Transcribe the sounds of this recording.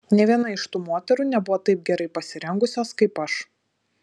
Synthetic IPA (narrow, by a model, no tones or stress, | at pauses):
nʲɛʋʲiɛnɐɪʃt̪uːmoːt̪ʲɛɾuːnʲɛbʊʋoːt̪ɐɪp̚ɡʲɛɾɐɪpɐsʲɪɾʲɛŋɡʊsʲoːskɐɪpɐʃ